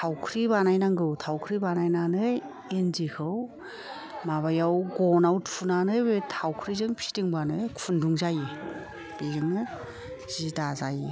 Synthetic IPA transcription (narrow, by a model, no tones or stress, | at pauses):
tʰawkʰɾibanajnaŋɡɯtʰawkʰɾibanajnanɯ | enzikʰɯw | maβajawɡɔnawtʰunanɯbetʰawkʰɾizɯŋpʰi̥tiŋbanɯkʰunduŋzaji | b̥eɡɯŋɯ | zidazaji